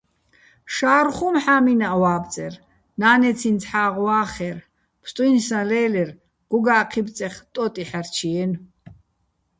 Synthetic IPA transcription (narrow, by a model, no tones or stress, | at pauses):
ʃaːɾχumħaːminaʔwaːb̪̚t͡sʼɛr | naːnɛt͡sʰint͡sʰħaːʁwaːχɛɾ | pʰst̪ʼwjnsãlɛːlɛr | ɡ̥ɔɡaːqʰib̪t͡sʼɛχt̪ʼɔt̪ʼiħaɾt͡ʃʰiɛn